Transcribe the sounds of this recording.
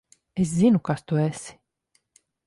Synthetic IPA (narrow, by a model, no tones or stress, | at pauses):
es̬zinukast̪uæsi̥